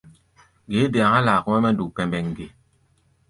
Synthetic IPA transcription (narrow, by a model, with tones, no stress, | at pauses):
ɡe˨˦de˨a˨ŋa˦laː˨ku˦mɛ˦mɛ˦n˦du˨pɛ˨mbɛ˨ŋ˨ɡe˨